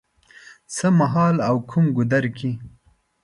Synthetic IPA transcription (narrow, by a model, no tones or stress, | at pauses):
səmaɦɑːlawkʰumɡʊd̪aɾkʰi